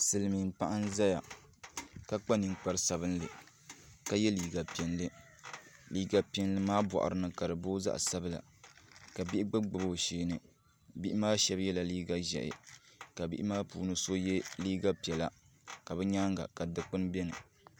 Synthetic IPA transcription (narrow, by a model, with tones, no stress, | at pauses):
sɨ˨lɨ˨mi˨m̩˨pa˦ʔa˦nza˦ja̰˨ | ka˦k͡pa˦nɨ˨ŋk͡pa˦ɾɨ˦sa˨βɨ˦n˦lɨ˨ | ka˦jɛ˦liː˨ɡa˨pɛ˨nlɨ˦ | liː˦ɡa˨pi˦ɛ˦nlɨ˦maː˦bɔ̰˨ʔa̰˨ɾɨ˨˦nɨ˨ka˨dɨ˨boː˦za̰˦ʔsa˦bɨ˦la̰˨ | ka˨bi˦ʔɪ˦ɡ͡bɨ˦ɡ͡bɨ˨bo˨ʃeː˦nɨ˨ | bi˦ʔɪ˦maː˦ʃɛ˦bjɛ˦la˨liː˦ɡa˦ʒɛ̰˨ʔɪ̰˨ka˨bi˦ʔɪ˦maː˦puː˨nɨ˦so˦jɛ˦liː˦ɡa˦pi˨ɛ˨la˦ | ka˨bɛ˦ɲa˦ŋɡa̰˨ka˨dɨ˦k͡pɨ˦n˦bɛ˦nɨ˨